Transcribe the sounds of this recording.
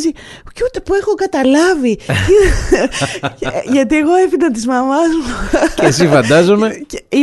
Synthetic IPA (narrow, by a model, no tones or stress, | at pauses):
zi | ceot̪epue̞xo̞kɐt̪ɐlɐvii | ʝɐt̪ie̞ɣo̞efid̪ɐt̪̬izmɐmɐzoes̬ifɐnd̪ɐzomeei